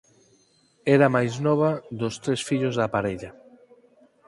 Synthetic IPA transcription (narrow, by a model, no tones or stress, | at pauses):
ɛɾamajznɔβɐðʊst̪ɾesfiʎʊzðapaɾeʎa